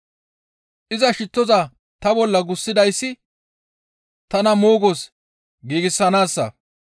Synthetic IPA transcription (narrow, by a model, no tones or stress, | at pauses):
ʔɪzɐʃɪt̪ːɔzɐ | t̪ɐbɔlːɐɡʊsːɪd̪ɐjsːɪ | t̪ɐnɐmoːɡos | ɡiːɡɪsːɐnaːsːɐ̰